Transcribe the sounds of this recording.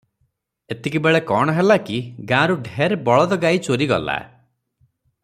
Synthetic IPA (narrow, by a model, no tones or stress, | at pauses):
et̪ikibeɭekɔɽ̃ɔɦelakiɡãɾuɖʱeɾbɔɭɔd̪ɔɡait͡ʃoɾiɡɔ̰la̰